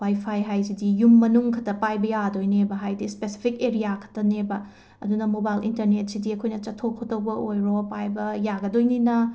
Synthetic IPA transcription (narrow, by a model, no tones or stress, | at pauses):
wajpʰajɦajsidijumːɐnuŋkʰɐtɐpajbɐjadojnebɐɦajdispesi̥pʰikeɾijakʰɐ̥tɐnebɐ | ɐdunɐmobajlḭntɐɾnet̚sidiɐkʰojnɐt͡ʃɐtʰːokʰotɐwbɐʔojɾopajbɐjaɡɐdojninɐ